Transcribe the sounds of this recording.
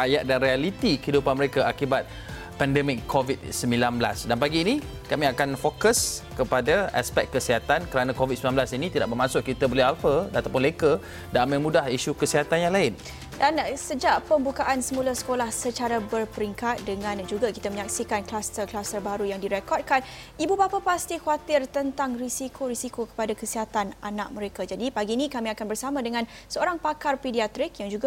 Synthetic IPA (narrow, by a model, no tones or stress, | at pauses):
ajaʔ̚danɾialit̪ikəidupanməɾekaakibat̪̚ | pɛndɛmɪkʰːovit̪̚səmbilanbla̰sdanpaɡiːni | kamĩakanfokəskəpadaʔa̰spɛk̚kːəsiɦat̪ankəɾanãkovit̪səmilanmblasinĩt̪idaʔ̚bəmãsʊʔkit̪abolɛhalfəat̪awp̬ʊnlekə | daməmũdahiʃukəsiɦat̪anjaŋlaɪn | dansəd͡ʒaʔpəmbukaʔansəmũlasə̥kolahsət͡ʃaɾabərpəɾiŋkat̪̚dəŋãnd͡ʒuɡakit̪aməɲak̚sikanklast̪ərklast̪ərbaɾujaŋdiɾɛkɔrd̚kan | ibubapapast̪ikuat̪ɪrt̪ənt̪aŋrisikʰoɾisikokə̥padakəsiɦat̪ananak̚mə̃ɾekad͡ʒadipaɡinĩkamĩakanbərsamãdəŋãn | səoɾaŋpakarpidiat̪ɾik̚jaŋd͡ʒuɡa